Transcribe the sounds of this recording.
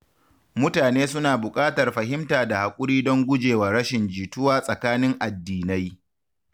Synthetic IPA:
mʊ˦taː˨neː˦sʊ˦naː˨bʊ˨kʼaː˦tɐ˨rɸɐ˨ɦɪ˦mtaː˨da˨ha˨kʷʼʊ˦ɾiː˦dɔ˦ŋɡʷʊ˦d͡ʒeː˨waː˨ɾɐ˦ʃɪ˨nd͡ʒiː˨tʊ˦waː˦sʼɐ˨kaː˦nɪ˦ŋʔa˨dːiː˨na˦j

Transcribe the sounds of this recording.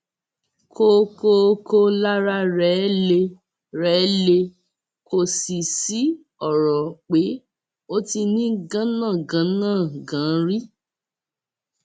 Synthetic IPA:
kʰo˦˧ko˧ko˧la˦ɾa˧ɾɛ˨˦le˧ | ɾɛː˨˦le˧ | ko˨si˨si˨˦ | ɔ˨ɾɔ˨k͡pe˨˦ | o˦ti˧nĩ˦ɡã˦nãː˦˨ɡã˨˦nãː˦˨ɡã˨˦ɾi˦

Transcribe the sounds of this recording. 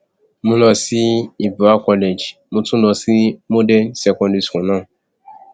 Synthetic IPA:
mũ˧nɔ̃˧si˦i˨bu˨a˦kɔ˧le˨d͡ʒmõ˧tũ˦nɔ̃˧si˦mo˦dɛ˦nsɛ˧kɔ̃˧ndi˨˧skũ˨nãː˦˨

